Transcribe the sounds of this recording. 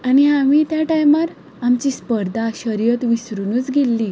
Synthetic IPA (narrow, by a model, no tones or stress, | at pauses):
añiamiːt̪jaʈajmaɾ | amt͡ɕiːspəɾd̪ʱaaɕəɾjət̪ʋisɾunuːt͡sɡʱelːiː